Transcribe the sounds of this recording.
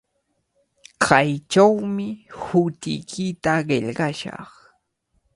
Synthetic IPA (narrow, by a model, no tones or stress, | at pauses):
kʰɑjt͡ʃawmɪhʊt̪ɪ̰jkʰɪt̪aɢeʎɢɑʃɑ̰χ